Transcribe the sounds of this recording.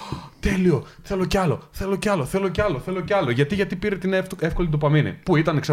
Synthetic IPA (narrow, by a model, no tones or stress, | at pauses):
t̪e̞lio̞θe̞lo̞ceɐlo̞̰θe̞lo̞ceɐlo̞θe̞lo̞ceɐlo̞θe̞lo̞ceɐlo̞ʝɐt̪iʝɐt̪ipiɾe̞t̪ineefko̞lid̪opɐminḭpuit̪ɐneksɐ